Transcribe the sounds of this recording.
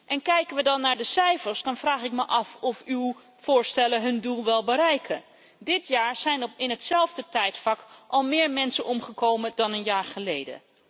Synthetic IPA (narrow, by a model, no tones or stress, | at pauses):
ʔɛnkɛjkənʋədɑnːaːɹdəsɛjfəɹsdɑnvraːχɪk̚məʔɑfɔfyw | v̥ʊːɹstɛləɦɵndulˠʋɛlˠbəɾɛjkʰən | dɪtjaːɹz̥ɛjnɪnɦətsɛlˠvdətɛjtflɑkʔɑlˠmɪːɹmɛnsənɔmχəkowmədɑnənjaːɹχəlejdə̰